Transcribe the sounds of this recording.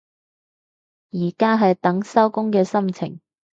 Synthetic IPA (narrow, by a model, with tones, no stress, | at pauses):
jiː˨˩kaː˥ɦɐ˨jt̪ɐ˨˥ŋsɐ˥wkʊ˥ŋkɛː˧sɐ˥mt͡sʰɪ̰˨˩ŋ